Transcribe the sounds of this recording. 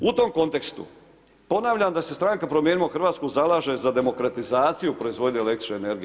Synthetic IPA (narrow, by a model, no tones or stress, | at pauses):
ut̪o̞mko̞nt̪e̞kst̪ṵ | po̞naːʋʎamd̪asest̪ɾaŋkapɾo̞mjeːnimaxrʋaːt̪skuzalaːʒe̞zad̪e̞mo̞kɾat̪izaːt̪sijupɾo̞izʋo̞d̪ɲielekt̪ɾi̥t͡ʃneene̞ɾɡi